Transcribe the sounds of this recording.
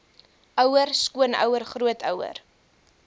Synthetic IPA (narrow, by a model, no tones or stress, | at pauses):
ʔœwərskuənœ̰wərχruətʰœwə̰r